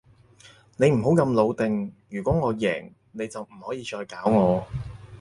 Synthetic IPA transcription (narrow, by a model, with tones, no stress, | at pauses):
ne˨˧jm̩˨˩ɦo˨˥wkɐ˧mlo˨˧wt̪ɪ˨ŋjyː˨˩kʷɔː˨˥ŋɔː˨˧jɛ̰ː˨˩ŋ | ne˨˧jt͡sɐ˨wm̩˨˩hɔː˨˥jiː˨˧t͡ʃɔː˧jkaː˨˥wŋɔː˨˧